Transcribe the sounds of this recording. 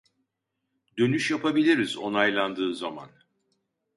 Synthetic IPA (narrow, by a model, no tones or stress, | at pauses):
d̪ø̞nyʃjapʰabilʲiɾizo̞najlˠand̪ɯːzama̰n